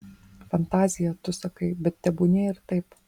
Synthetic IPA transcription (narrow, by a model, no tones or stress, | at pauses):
fɐnt̪ɑːzʲɪjɛt̪ʊsɐkɐɪbʲɛt̪̚t̪ʲɛbʊnʲɛɪɾt̪ɐɪp